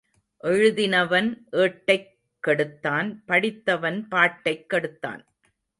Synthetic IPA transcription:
ʔɛɻɯðɪnɐʋɐnʔeːʈːɐɪ | kːɐɽɯt̪ːaːnpɐɽɪt̪ːɐʋɐnpaːʈːɐɪkːɐɽɯt̪ːa̰ːn

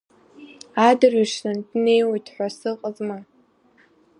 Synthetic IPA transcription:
adɨriʂnandne̞jwojtʰħʷasɨqʼazma

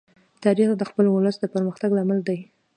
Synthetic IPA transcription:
t̪ɑɾixd̪əxpəlwʊləsd̪əpəɾməxt̪aɡlamald̪aj

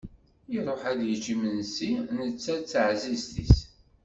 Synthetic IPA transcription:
iɾˤoħæd̪jət͡ʃːimənsinət͡sːæt͡sːəʕzizt̪is

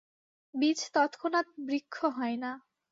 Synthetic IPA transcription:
bit͡ɕʰt̪ɔt̪kʰonat̪̚bɾikʰːoɦɔena

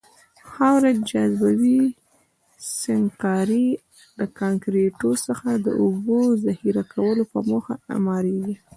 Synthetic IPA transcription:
hɑwɾad͡ʒazbawi | sɪŋkɑɾi | ləkɑŋkɾeʈosəxad̪ə̰ʔubozahiɾakʰawəlopəmoxaa̰mɑɾeɡi

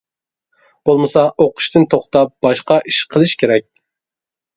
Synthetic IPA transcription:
b̥olˠmɨsɑʔoqʰʊ̥ʃt̪ɨnt̪ʰoχt̪ɑp̚b̥ɑʃqɑʔiʃqʰəlˠɨʃkʲʰeɾɛk̚ʲ

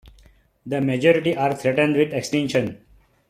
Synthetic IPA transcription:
d̪əmed͡ʒɔːɾɪʈiʔaːɾt̪ʰɾɛʈə̃ɳɖʋɪd̪eksʈɛ̃nʃə̃n

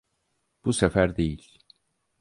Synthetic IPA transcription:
b̥usefæɾd̪e̞jilʲ

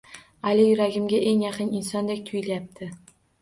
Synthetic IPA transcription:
alɪjʊɾaɡʲɪmɡʲaʔe̞ŋjɑqʰɨnɪnsɒnd̪e̞kʲt̪ʰʊjɪlajap̚t̪ʰɪ

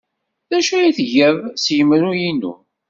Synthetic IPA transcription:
ðæʃæjiθʝævsjəmːɾujinṵ

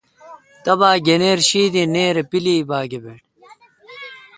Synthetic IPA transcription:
t̪ɐbaːɡeneːɾɕiːd̪ineːɾepiliːbaːɡebeʈ

